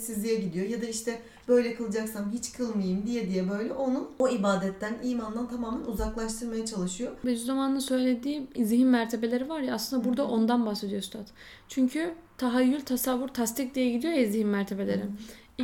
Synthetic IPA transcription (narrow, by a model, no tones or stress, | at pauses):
sizlʲijɛɟid̪ijo̞jad̪aiʃt̪ʰɛ | b̥ø̞jlʲɛkʰɯlˠɯd͡ʒaksamɦit͡ʃkʰɯlˠmajɯmd̪ijɛd̪ijɛbø̞jlʲɛʔo̞nuno̞ibaːd̪ɛt̪ʰːæniːmand̪ant̪ʰamaːmænuzaklˠaʃt̪ʰɯɾmajat͡ʃʰalˠɯʃɯjobed͡ʒyzamanɯnsø̞jlʲe̞d̪iːizihinmæɾt̪ʰe̞be̞lʲe̞ɾivaɾjaːslɯnd̪abuɾd̪aʔo̞nd̪anbahse̞d̪ijo̞st̪ʰat̪ | t͡ʃʰyɲcʰyt̪ʰaɦajːylʲt̪ʰasavːuɾt̪ʰast̪ʰic̚d̪ijɛɟid̪ijo̞jaizihinmæɾt̪ʰe̞be̞lʲe̞ɾɪ